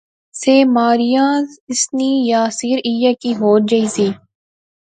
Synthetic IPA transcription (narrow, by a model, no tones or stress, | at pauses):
seːmaːɾijãːɪsniːjaːsiːɾijakiɦoːt̪̚d͡ʒɐiːsiː